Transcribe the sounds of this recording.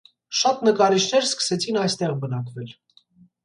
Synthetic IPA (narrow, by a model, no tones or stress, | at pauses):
ʃɑt̪nəkɑɾit͡ʃʰn̪ɛɾskə̥sɛt͡sʰinɑjst̪ɛʁbənɑkvɛl